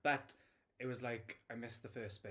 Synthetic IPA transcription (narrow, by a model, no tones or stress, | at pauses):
b̥ət | ɪʔ̚wɒzlaɪkaɪmɪsðəfɜˑspe